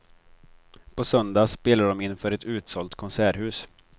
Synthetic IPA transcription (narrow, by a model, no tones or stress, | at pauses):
pʰɔsœnd̪aspeːlaɖɔmɪnːfœːɾɛt̪ʉ̟ːt̪sɔlt̪kʰɔnsæːɾɦʉ̟ːs